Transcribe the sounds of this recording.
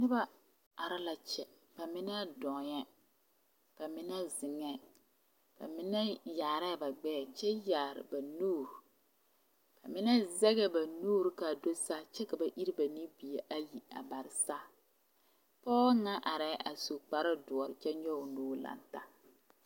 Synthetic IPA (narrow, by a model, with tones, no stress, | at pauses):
nɪ˦ba˦ | a˨ɾa˦la˨t͡ʃɛ˨ | b̥a˨mɪ˦nɛ˦dɔ˨jɛ˦ | b̥a˨mɪ˦nɛ˦zɪ˨ŋɛ˦ | b̥a̰˨mɪ˦nɛ˦jaː˨ɾɛ˦˨ba˨ɡ͡bɛː˦˨t͡ʃɛ˦jaː˨ɾɪ̰˨ba˨nuː˦˨ɾ | b̥a˨mɪ˦nɛ˦zɛ˦ɣɛ˦ba˨nuː˦ɾka˨do˦sa˦t͡ʃɛ˦ka˨ba˨ʔi˦ɾi˦ba˨ni˦bi˨e˨ʔa˦ji˨a̰˨ba˨ɾɪ˨sa˦ | pɔː˦ŋa˦ʔa˨ɾɛ˦ʔa̰˨so˨k͡pa˦ɾa˦dʊ˨ɔ˨ɾɪ˨t͡ʃɛ˦ɲɔ˦ʊ˨noː˦la̰˨nta˦